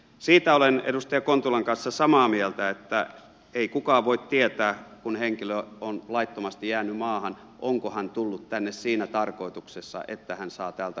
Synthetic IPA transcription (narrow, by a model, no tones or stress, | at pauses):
siːt̪æolenḛdust̪ɑjɑkont̪ulɑŋkɑnsːɑsɑmɑːmielt̪æet̪ːæ | eikukɑːʋoit̪t̪iet̪æːkunheŋkiløonlɑit̪ːomɑst̪ijæːnymɑːhɑn | ʔoŋkohɑnt̪ulːut̪t̪ænːessiːnæt̪ɑrkoit̪uksesːɑ̰ʔḛt̪ːæhænsɑːt̪æːlt̪æ